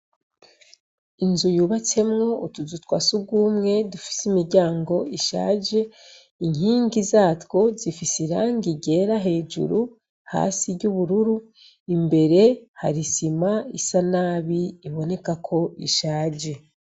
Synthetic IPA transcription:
inzujuːβat͡se̞mŋo̞utuzutwa̰suɡuːmŋe̞dufi̥simiɾɟaːŋɡo̞iʃa̰ːɟe̞ | iŋhiːŋɡizaːtko̞zifisiɾaŋɡiɟe̞ːɾaɦe̞ːd͡ʒṵɾu | ha̰ːsiɾɟuβuɾuɾu | imbe̞ɾe̞ha̰ɾisimaisanaːβiːβo̞ne̞kakʰo̞iʃaːɟe̞

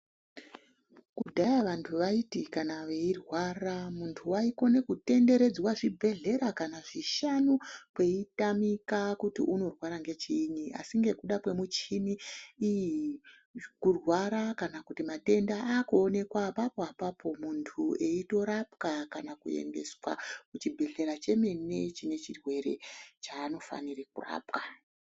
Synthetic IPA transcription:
kudʱajaʋantʰuʋaitikanaʋeirwaːramuntʰuwaiko̞ne̞kute̞nde̞ɾe̞d͡zwaʐibʱe̞ɮe̞ɾakanaʐiʃanupwe̞itamikakutḭʔuno̞rwaɾaŋɡe̞t͡ʃiɲiʔa̰siŋɡe̞kuɗakwe̞mut͡ʃiniiji | kurwaɾakanakutimate̞ndaakuone̞kwapapoapapʰo̞muntʰue̞ito̞ɾapkakanakṵe̞̰ŋɡe̞̰swa̰kut͡ʃibʱe̞ɮe̞ɾat͡ʃe̞me̞ne̞t͡ʃine̞t͡ʃirwe̞ɾe̞̰t͡ʃaːno̞fa̰nirekura̰ːpka

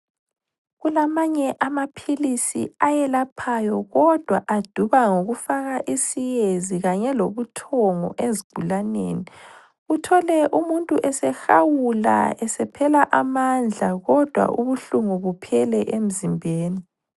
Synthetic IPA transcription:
ɣulamaɲɛʔamapʰilisḭajɛlapʰajɔɣɔd̥ʱwaʔad̥ʱuβaŋoɣufaɣaʔisijeziɣaɲɛloβutʰɔŋɔ̰ʔeziɡ̥ʱulanḛːni | utʰɔlɛʔumuntʼuʔɛsɛxawula̰ɛsɛpʰɛlaʔamand͡ɮʱaɣɔd̥ʱwa̰ʔuβuɬuŋuβupʰɛlɛʔem̩zimbʱeːni

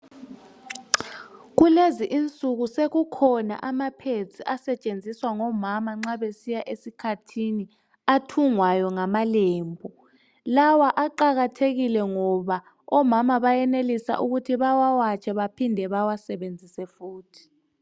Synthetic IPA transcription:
ɣ̬uleziʔint͡sʼuɣ̬useɣukʰɔna̰ʔamapʰet͡sʰiʔasɛt͡ʃʼend͡zʱiswaŋɔmamaŋ͡ǁaβesijaʔesikʰatʰini | atʰuŋwajɔŋamaleːmbʱɔ | lawaʔaǃaɣatʰeɣilɛŋɔβa | ɔmamaβajɛnelisa̰ʔuɣutʰiβawawat͡ʃʼʰɛβapʰindʱɛβawasɛɓend͡zʱisɛfuːtʰi̥

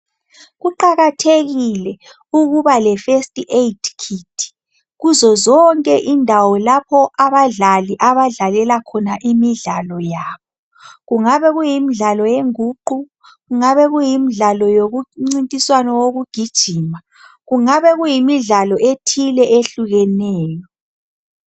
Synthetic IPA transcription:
ɣuǃaɣatʰeɣilɛ | uɣuβalɛfestʼiʔeitʰkʰitʰi̥ | ɣuzɔzɔŋkʼɛʔindʱawɔlapʰɔʔaβaɮaliʔaβaɮalɛlakʰɔnaʔimiɮalɔjaːβɔ | ɣuŋaβɛɣujimiɮalɔjeŋuːǃu | ɣuŋaβɛɣujimiɮalɔjoɣuŋ͡ǀintʼiswanɔwoɣuɡ̥ʱid̥ʒ̥ʱiːma | ɣuŋaβɛɣujimiɮalɔʔetʰilɛʔeɬuɣɛnɛːjɔ

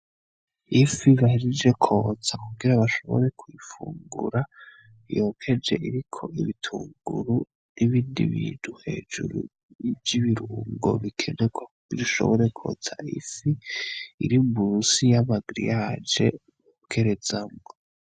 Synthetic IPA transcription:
ifiβahiɾid͡ʒe̞kʰo̞t͡sakuɡiɾaβaʃo̞βo̞̰ɾe̞kʰwifuːŋɡuɾa | jo̞kʰe̞d͡ʒe̞ʔiɾikʰo̞iβitʰuːŋɡuɾu | niβiːndḭβiːnuhe̞ːd͡ʒuɾṵ | vjiβiɾuːŋɡo̞̰βikʰe̞neɡwa | iɾiʃo̞̰βoɾe̞kʰo̞̰t͡sa̰ifiː | ɾimbuɾusijamaɡɾḭjaːd͡ʒe̞̰ | βokʰe̞ɾe̞zamŋo

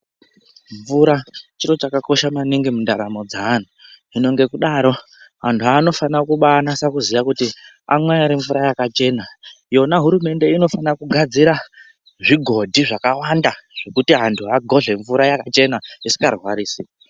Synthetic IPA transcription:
ɱvuɾat͡ʃiɾo̞t͡ʃakako̞ʃamaniŋɡimundaɾamo̞d͡zaːn̤u | ino̞ŋɡe̞kuɗaɾo̞ | ɦantʰuɦaːno̞fanakuɓanasakuzijakuti | a̰mweaɾiɱvuɾajakat͡ʃe̞ːna | jo̞naɦuɾume̞nde̞ino̞fanakuɡʱad͡ziɾa | ʐiɡʱo̞dʱiʐakawandaʐ̥e̞kutiɦantʰuɦaɡʱo̞ɮe̞ɱvuɾajakat͡ʃe̞naisi̥karwaɾiːsi

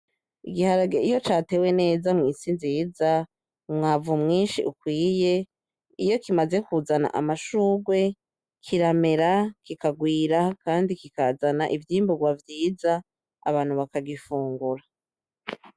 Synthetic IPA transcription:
iɡihaɾaɡeijo̞t͡ʃaːte̞ːwe̞ne̞ːzamŋiːsinziːza | mŋaːvumŋiːnʃḭʔukwiːje̞ | ijo̞kimaze̞kuzana̰ʔa̰maʃuːɡwe̞ | kʰiɾame̞ɾakikaɡwiːɾakaːndikikazanaʔivjiːmbuɡwavjiːza̰ː | βaːn̥huβakaɡifuːŋɡuɾa

